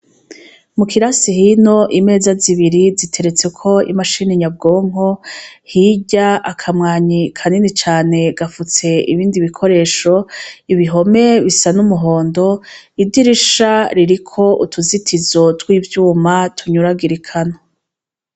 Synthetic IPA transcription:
mukiɾasihino̞ʔime̞ːzaziβiɾizitʰe̞ɾe̞t͡se̞kʰo̞ḭmaʃiniɲab̚ɡo̞ːŋ̥ho̞hiɟaakʰamŋaːɲikʰaninit͡ʃaːne̞ɡafut͡se̞iβiːndiβikʰo̞ɾe̞ːʃo̞iβiɦo̞me̞βisanumuɦo̞ːndo̞ | idiɾiʃaɾiɾikʰo̞ʔutʰuzitʰizo̞twiːvjuːmatʰuɲuɾaɡiɾikʰano

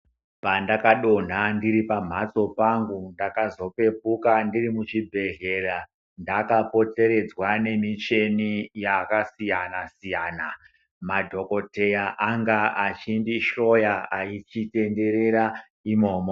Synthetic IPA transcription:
pandakaɗo̞n̤andiɾipam̤at͡so̞paŋɡundakazo̞pe̞p̚ukandirimut͡ʃibʱe̞ɮera | ndakapo̞te̞ɾe̞d͡zwane̞mit͡ʃe̞nijakasijanasijaːna | madʱo̞ko̞te̞jaʔaŋɡaat͡ʃindiʃo̞jaait͡ʃite̞nde̞ɾe̞ɾa | imo̞ːmo

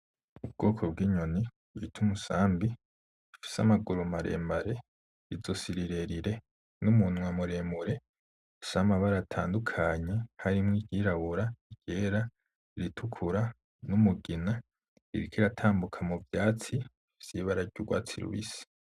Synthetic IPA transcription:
ub̚ɡ̥o̞ːkʰo̞b̚ɡiːɲo̞ni | itʰumusaːmbi | ifi̥samaɡuɾumaɾe̞̰ːmbaɾe̞ | izosiɾiɾe̞ɾiɾe̞ | numunwamuɾeːmuɾe̞ | fi̥samaβaɾaːtʰaːndukʰaɲe̞haɾimŋiɟiɾaβuɾaiɟ̥eːɾa | iɾitʰukʰuɾa | numuɡina | ḭɾikʰiɾatʰaːmbukʰamuvjaːt͡si | fiv̥jiβaɾaɾɟuɡwa̰ːt͡sḭɾṵβḭsi̥

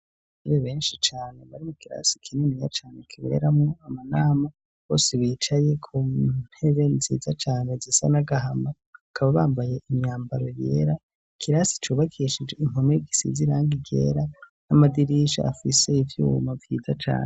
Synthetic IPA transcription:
iβeβe̞ːnʃit͡ʃaːne̞βaɾimukiɾa̰si̥kʰininijat͡ʃaːnekʰiβe̞̰ɾamoamanaːma | βo̞ːseβiːt͡ʃaje̞kʰun̥he̞βe̞ziːzat͡ʃaːnezisanaɡaɦama | akʰaβaβaːmbaje̞ʔimɲaːmbaɾo̞jḛːɾa | kʰiɾasi̥t͡ʃuːβakʰiʃid͡ʒeim̥omeɡisḭziɾaŋɡiɡe̞̰ɾa | namadiɾiʃa̰a̰fise̞ivjṵːmavjḭːza̰t͡ʃa̰ːne

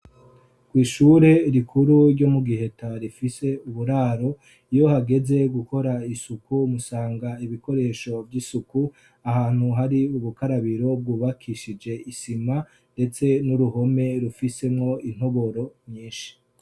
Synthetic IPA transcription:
kwiːʃuɾe̞ɾikʰuɾuɾɟomuɡihe̞taɾifise̞uβuɾaːɾo̞ | ijo̞haɡe̞ze̞ɡuko̞ɾaisukumusaːŋɡaiβiko̞ɾe̞ʃo̞vɟiːsuku | ahaːn̥huɦaɾiuβukaɾaβiɾo̞b̚ɡuːβakʰiʃid͡ʒe̞isima | nde̞t͡se̞nuɾuɦo̞me̞ɾufise̞mŋo̞in̥hoβo̞ɾo̞mɲiːnʃi̥

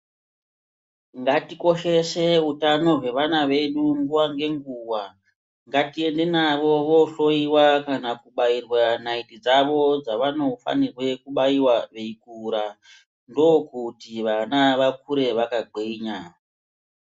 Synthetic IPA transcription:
ŋɡatiko̞ʃe̞se̞utano̞ɦwe̞ʋanaʋe̞ɗuŋɡuwaŋɡe̞ŋɡuwa | ŋɡatie̞nde̞naʋo̞ʋo̞ɬo̞iwakanakuɓairwanaitid͡zaʋo̞d͡zaʋano̞fa̰nirwe̞kuɓaiwaʋeikuɾa | ndo̞kutiʋanaʋakuɾe̞ʋakaɡ͡ǃʱiɲa

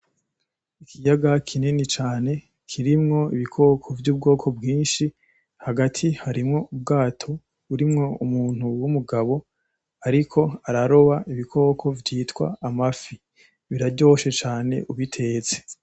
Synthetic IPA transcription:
ikʰijaɡakʰininit͡ʃaːne̞ | kʰiɾimŋo̞iβikʰo̞ːkʰo̞vjuːb̚ɡo̞ːkʰo̞bɡiːnʃi | haɡatʰihaɾimŋo̞ub̚ɡaːtʰo̞ | uɾimŋo̞umuːn̥uwumuɡaβo̞ | aɾikʰo̞aɾaɾo̞βaʔiβikʰo̞ːkʰo̞vjiːtwa̰mafi | βiɾaɟo̞ːʃe̞t͡ʃaːne̞̰ʔuβitʰe̞ːt͡se̥

